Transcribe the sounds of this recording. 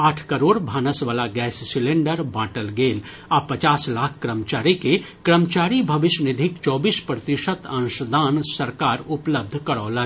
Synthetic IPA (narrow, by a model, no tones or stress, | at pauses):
aːʈʰkɐɾoːɽbʱaːnəsʋaːlaɡɛːsːɪlẽɳɖəɾbaːʈəlɡeːl | apɐt͡ʃaːslaːkʰkɾəmt͡ʃaːɾike | kɾəmt͡ʃaːɾibʱɐʋɪʃnɪd̪ʱɪkt͡ʃɔːbiːspɾət̪ɪʃət̪ə̃nʃəd̪ʱaːnsɐɾkaːɾʊpləb̚d̪ʱkɐɾɔːla